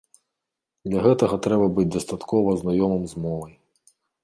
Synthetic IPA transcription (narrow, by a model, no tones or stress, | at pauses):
d̪lʲɐɣɛt̪ɐɣɐt̪ɾɛbɐbɨd͡zʲd̪ɐst̪at̪kɔvɐznajɔmɨmzmɔvɐj